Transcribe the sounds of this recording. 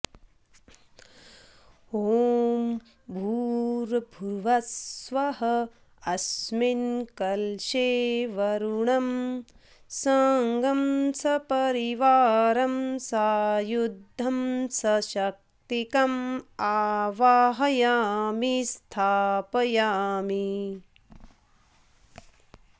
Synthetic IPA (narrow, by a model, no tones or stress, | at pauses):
om | bʱuːɾbʱuɾʋɐsʋɐɦɐ | ɐsminkɐlʃeːʋɐɾuɳɐm | sɐŋɡɐmsɐpɐɾiʋaːɾɐmsaːjud̪ʱːɐmsɐʃɐk̚t̪ikɐmaːʋaːɦɐjaːmist̪ʰaːpɐjaːmi